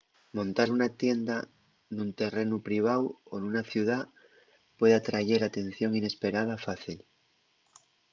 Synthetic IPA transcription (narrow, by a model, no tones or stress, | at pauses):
mõ̞nt̪aɾunat̪je̞nd̪a | nunt̪e̞re̞nupɾiβ̞awo̞nunaθjuð̞a | pwe̞ðat̪ɾaʝe̞ɾat̪e̞n̟θjo̞ŋine̞spe̞ɾaðafaθil